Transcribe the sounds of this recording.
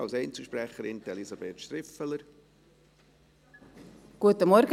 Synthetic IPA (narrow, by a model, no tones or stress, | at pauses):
ɑlsɛɪnt͡səʃpɾæχəɾɪnt̪ɛlizɑbeːt̪ʃt̪ɾɪfələɾ | ɡ̥uət̪əmɔɾɡ